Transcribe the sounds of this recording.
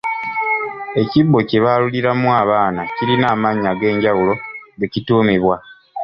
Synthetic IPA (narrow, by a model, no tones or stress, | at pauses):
e̞cibːo̞ceβaluliɾamuaːβaːnaciɾinaːmaɲːaɡe̞ːɲɟawulo̞ɡe̞cituːmiβwa